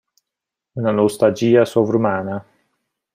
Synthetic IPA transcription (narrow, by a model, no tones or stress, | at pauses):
unanost̪ald͡ʒiːasovɾumaːna